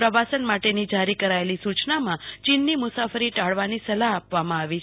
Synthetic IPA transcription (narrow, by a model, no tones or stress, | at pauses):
ɾəʋasənmaʈenid͡ʒaɾikəɾaelisut͡ʃnamãt͡ʃinːimʊsafəɾiʈaɭʋanisəlaːpʋamãaʋi